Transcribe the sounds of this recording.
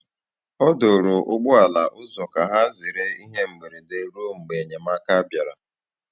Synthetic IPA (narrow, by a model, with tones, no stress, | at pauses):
ɔ˦do˨ɾo˨ʔʊ˦ɡ͡bʊ˦a˨la˨ʔʊ˦zɔ˨ka˨ɦa˦zɪ˨ɾe˦i˦ɦe˦m̩˨ɡ͡be˨ɾe˨de˦ɾo˦ŋ͡m̩˨ɡ͡be˨ɲe˨ma˦ka˦bja˨ɾa̰˨